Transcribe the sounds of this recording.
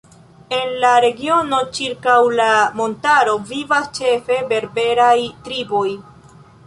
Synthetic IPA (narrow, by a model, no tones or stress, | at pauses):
e̞nlaɾe̞ɡio̞no̞t͡ʃiɾkawlamo̞ntaɾo̞vivast͡ʃe̞fe̞be̞ɾbe̞ɾajtɾibo̞j